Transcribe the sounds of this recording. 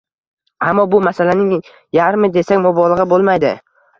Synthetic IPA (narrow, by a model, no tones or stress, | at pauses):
amːɒbʊmasalanɪŋ | jaɾmɪd̪e̞sakʲmɒbɒlˠɨʁɨbolˠmajd̪ɪ̰